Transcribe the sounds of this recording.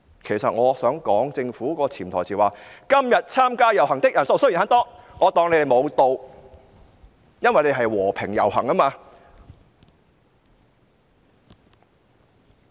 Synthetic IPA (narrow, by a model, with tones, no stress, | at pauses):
kʰe˨˩jsɐ˨t̚ŋɔː˨˧sœː˨˥ŋkɔː˨˥ŋt͡sɪ˧ŋfuː˨˥kɔː˧t͡sʰiː˨˩nt̪ʰɔː˨˩jt͡sʰiː˨˩waː˨kɐ˥mjɐ˨t̚t͡sʰaː˥mkaː˥jɐ˨˩wɦɐ˨˩ŋt̪ɪ˥k̚jɐ˨˩nso˨˧wsɵ˥ji˨nɦɐː˨˥nt̪ɔː˥ŋɔː˨˧t̪ɔː˧ŋle˨˧˥d̪e˨mo˨˧wt̪o˨˧w | jɐ˥nwɐ˨jne˧jɦɐ˨jwɔː˨˩pʰɪ˨˩ŋjɐ̰˨˩whɐ̰˨˩ŋɐ˥maː˧